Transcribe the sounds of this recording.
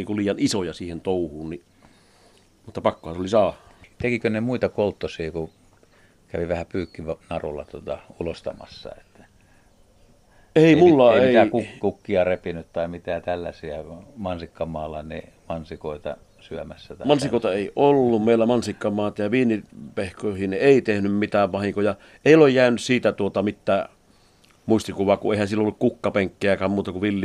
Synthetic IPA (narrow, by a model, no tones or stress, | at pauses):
iːŋkuliːjɑnisojɑsiːhent̪oˑuhuːnni | mut̪ːɑpɑkːohɑnseolisɑːhɑ̥t̪ekikønemuit̪ɑkolt̪ːosiːku | kæʋiʋæhæpyːkːiʋnɑrṵlːɑ̰t̪uot̪ɑulost̪ɑ̰mɑ̰sːɑ̰et̪ːæ̥ | eˑimulːɑeˑiækukkukːiɑrepinyt̪t̪ɑimit̪æt̪ælːæ̰siæmɑnsikːɑmɑːlːɑ̰nḭ | mɑnsikoˑet̪ɑ̰ | syømæsːæmɑnsikoˑet̪ɑeˑiʔolːummeˑilːæmɑnsikːɑmɑːt̪ɑjɑʋiːnipehkoˑhineˑit̪ehnymmit̪æːʋʋɑhiŋkojɑ | eˑiolejjæˑynyssiːt̪æt̪uot̪ɑmit̪ːæː | muist̪ikuʋˑɑːkuʔeˑihænsilːoolːukkukːɑpeŋkːeækæːmmuːt̪ɑkuʋilːi